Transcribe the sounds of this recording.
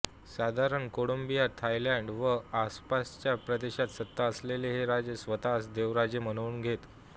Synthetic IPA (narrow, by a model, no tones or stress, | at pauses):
sad̪ʱaɾəɳkoɽombijat̪ʰajlɛ̃ɳɖʋəaspast͡ɕjapɾəd̪eɕat̪sət̪ːaəsleleɦeɾad͡ʑəsʋət̪asd̪eʋɾad͡ʑemənəuːnɡʱet̪